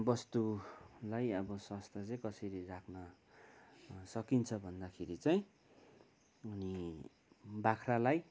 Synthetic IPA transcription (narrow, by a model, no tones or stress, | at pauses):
bʌst̪ulajʌbʌswast̪ʰat͡saj̃kʌsʌɾirakʰnʌ | sʌkint͡sʰʌbʱʌnd̪akʰeɾit͡saĩ | ʌni | bakʰralaj